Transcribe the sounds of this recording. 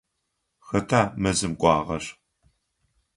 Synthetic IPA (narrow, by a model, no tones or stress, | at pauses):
xɐtʰaːmɐzɨmkʷʼɑːʁɐʂ